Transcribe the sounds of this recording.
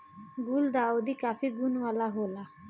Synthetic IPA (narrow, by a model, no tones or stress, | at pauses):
ɡuld̪aod̪ikapʰiɡunwalaɦola